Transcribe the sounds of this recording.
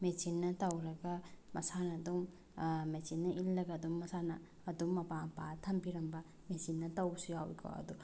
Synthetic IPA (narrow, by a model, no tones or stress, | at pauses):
mesinːɐtɐwɾɐɡɐmɐsanɐːduŋ | mesinːɐʔilːɐɡɐːdumːɐsanɐː | dumːɐpapatʰɐmbiɾɐmbɐ | mesinːɐtɐwsujawḭkʰɔ̰ɐ̰du